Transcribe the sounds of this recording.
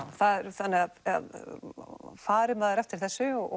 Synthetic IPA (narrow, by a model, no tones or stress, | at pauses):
θaðɛɾθanːɛɣaða̰ð | faːɾɪmaːðaɾɛft̪ɪɾ̥θɛsːʏɔ̰